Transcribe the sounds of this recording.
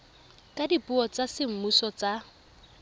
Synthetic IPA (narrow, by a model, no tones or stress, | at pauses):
kʼadipʼuɔt͡sʼasɪm̩musɔt͡sʼa